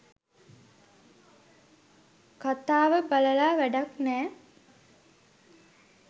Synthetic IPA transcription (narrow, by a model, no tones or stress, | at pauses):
kat̪aːʋəbaləlaːʋæɖaknɛː